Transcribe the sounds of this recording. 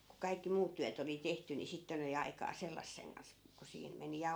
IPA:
ku kɑikːi muːt tyæt oli tehty ni sitːen oli ɑikɑː selːɑsːeŋ kɑns ku siːn meni jɑ

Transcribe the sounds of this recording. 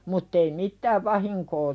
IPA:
mutː ei mittæːʋ ʋɑhiŋkoː

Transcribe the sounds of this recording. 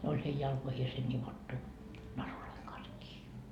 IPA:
ne olʲ hei jɑlkoihiese nʲiʋotːu nɑruloiŋ kɑns kiː

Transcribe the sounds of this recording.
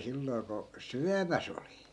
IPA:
silːoi̯ ko syæmæs oli

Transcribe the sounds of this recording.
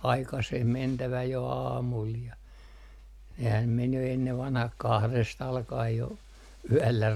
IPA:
ɑikɑseh mentæʋæ jo ɑːmul jɑ nehæm men jo enːeʋ ʋɑnhɑh kɑhrest ɑlkɑej jo yælːæ

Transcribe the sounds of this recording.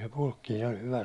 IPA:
se pulkːiːn olʲ hyʋæ

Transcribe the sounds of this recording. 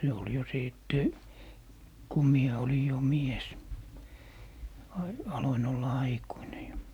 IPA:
se ol jo siˑtːe ku mie oli jo mies ɑ ɑloin olːɑ ɑikuine jo

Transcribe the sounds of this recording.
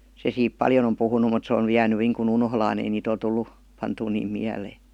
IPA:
se siːp pɑljon om puhunu mut se on ny jæːny niːŋkun unholɑːn ei niːt ol tulːu pɑntuː niːm miæleː

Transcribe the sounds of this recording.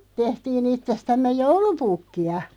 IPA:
tehtiːn itːestæmːej̆ joulupukːiɑ

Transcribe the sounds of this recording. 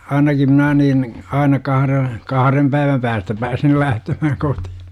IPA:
ɑinɑki mnæː niːn ɑinɑ kɑhre kɑhɑrem pæiʋæm pæːstæ pæːsil læhtemæhæŋ koti̥hi̥

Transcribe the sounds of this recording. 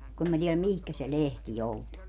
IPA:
kun em mæ tielæm mihkæ se lehti joutu

